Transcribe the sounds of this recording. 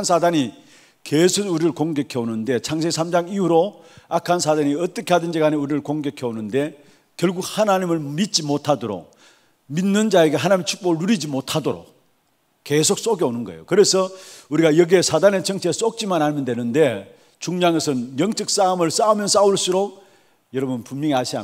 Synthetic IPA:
nsʰadaɲi | kesʰoɡuɾiɾɯɭkoŋɡekʰeonɯnde̞t͡ɕʰaŋs̬ʰesʰamd͡ʑaŋiuɾoakʰansʰadaɲiʌt͈ʌkʰe̞ɦadɯnd͡ʑiɡaneuɾiɾɯɭkoŋɡekʰeonɯnde̞ | kjʌɭɡuk̚hanaɲimɯɭmit̚t͡ɕ͈imotʰadoɾo̰k̚ | minːɯnd͡ʑaeɡe̞ɦanaɲimt͡ɕʰu̥k̚p͈oɣɯɭːuɾid͡ʑimotʰadoɾo̰k̚ | ke̞sʰok̚s͈oɡeonɯnɡʌ̰ḛjokɯɾe̞sʰʌuɾiɡajʌɡiesʰadane̞t͡ɕʌŋt͡ɕʰes͈ok̚t͡ɕ͈imanamɯnde̞nɯnde̞ | t͡ɕuŋɲaŋesʰɯnjʌŋt͡ɕ͈ʌk̚s͈amɯɭs͈aumjʌns͈auɭs͈uɾok̚ | jʌɾʌbunpumɲʌŋiaɕʰia̰

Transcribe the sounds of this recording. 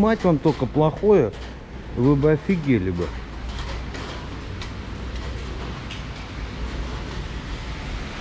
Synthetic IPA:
matʲo̞nt̪okəplˠɐxojə | vɨbɨɐfʲɪɡʲelʲɪbɨ

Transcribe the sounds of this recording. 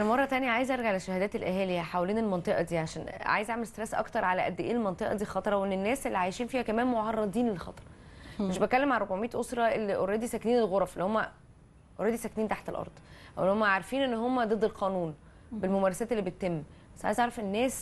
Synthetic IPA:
ʔænæmɑrˤːɑt̪ænjæʕaːjezʔɑɾˤɡaʕalæʃːæhæd̪æːt̪elʔæɦæːlejæħawæliːnelmɑnt̪ˤeʔɑd̪iːʕaʃæːnʕa̰ːjezʔaʕmelest̪ɾesʔɑ̰kt̪ɑɾˤʕalæʔæ̰d̪ːʔḛːelmɑnt̪ˤeʔɑ̰d̪iːlxɑt̪ˤɑɾˤɑwʔenːenːæːsʔelːiʕajeʃiːnfiːhækæmæːnmoʕɑrˤːɑd̪ˤiːnlexɑ̰t̪ˤɑ̥ɾˤ | meʃbet̪̚kælːemʕalɾobʕomiːt̪ʔosɾˤɑʔelːiʔoɾɑd̪isækniːnelɣoɾˤɑfelːihomːæ | ʔoɾɑːd̪isækniːnt̪aħt̪elʔɑ̰ɾˤd̪ˤʔʔæwelːihomːæʕaɾˤfiːnʔenːhomːæd̪ˤed̪ːelqæːnuːn | belmomæːɾˤɑsæːt̪ʔelːibet̪ːemː | bæsːʕa̰jezʔɑɾɑfenːæːs

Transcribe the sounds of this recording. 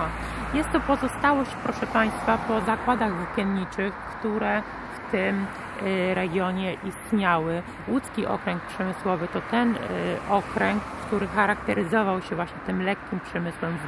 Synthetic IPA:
jɛst̪ːɔpɔzɔst̪awɔɕt͡ɕpɾɔʂɛpaj̃st̪fapɔzakwad̪aɣzukʲjɛnɲit͡ʂɘxkt̪uɾɛ | ft̪ɘm | ɾɛɡʲjɔɲɛʔist̪ɲawɘ | wut̪skʲiʔɔ̰kɾɛŋk̚pʂɛmɘswɔvɘt̪ɔt̪ɛnʔɔkɾɛŋkːt̪uɾɘxaɾakt̪ɛɾɘzɔvawɕɛvwaɕɲɛt̪ɘmlɛkʲːimpʂɛmɘswɛmv

